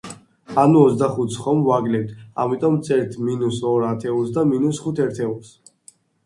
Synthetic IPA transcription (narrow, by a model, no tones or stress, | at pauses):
anuɔzd̪aχut̪sχɔmvaɡlɛt̪ʰa̰mit̪ʼɔmt̪sʰʼɛɾt̪ʰminusɔɾat̪ʰɛulˠsd̪aminusχut̪ʰɛɾt̪ʰɛulˠs